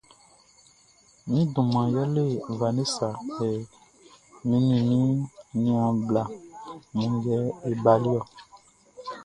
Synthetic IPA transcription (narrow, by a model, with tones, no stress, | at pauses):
mĩ˦dũ˨mã˨jɔ˦le˦˨va˨ne˦sa˨ɛ˨ | mĩ˨˦nĩ˨mĩ˦nĩ˦ã˨bla˨mũ˨d͡ʒɛ˦e˨ba˨li˦ɔ˨